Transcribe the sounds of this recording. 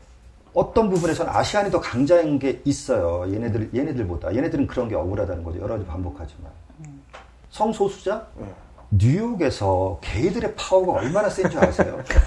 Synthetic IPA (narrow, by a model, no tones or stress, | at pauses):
ʌt͈ʌnbubune̞sʰʌnɯna̰ɕʰiɦanɲitʌkaŋd͡ʑainɡe̞is͈ʌjojenedɯje̞nedɯɭboda̰je̞nedɯɾɯnkɯɾʌnɡe̞ʌɡɯɾadanɯnɡʌd͡ʑḭjʌɾʌɡad͡ʑipambokʰad͡ʑima̰n | sʰʌŋsʰosʰu̥d͡ʑa | nujoɡe̞sʰʌke̞idɯɾe̞pʰauɡaʌɭmanas͈end͡ʑʌaasʰḛjo̰